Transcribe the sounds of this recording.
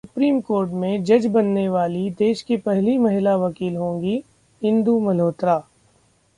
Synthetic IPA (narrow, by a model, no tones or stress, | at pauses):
sʊpɾiːmkoːɾʈmẽd͡ʒɐd͡ʒbɐnːeʋaːlid̪eːʃkipɛɦlimɐɦɪlaʋɐkiːlɦõːŋɡi | ɦɪ̃nd̪umɐloːt̪ɾaː